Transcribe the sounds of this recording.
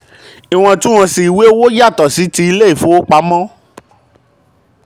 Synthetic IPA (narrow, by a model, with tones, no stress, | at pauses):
i˨w̃ɔ̃˧tũ˦ɔ̃˧si˨i˨we˦wo˦ja˦˨tɔ˨si˨˦ti˧i˧le˦i˦˨fõ˨˦wo˦k͡pa˧˦mɔ̃˦